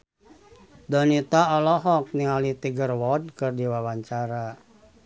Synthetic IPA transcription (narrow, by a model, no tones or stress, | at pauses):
dɔnit̪aɔlɔɦɔk̚niŋalit̪iɡərwɔd̚kɨrdiwawaɲt͡ʃaɾa